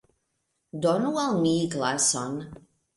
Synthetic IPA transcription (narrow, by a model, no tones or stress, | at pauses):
dɔnualˠmiːɡlasɔn